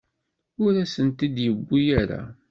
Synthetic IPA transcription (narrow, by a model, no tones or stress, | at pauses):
ʊɾæsənt̪id̪jəbːijæɾa̰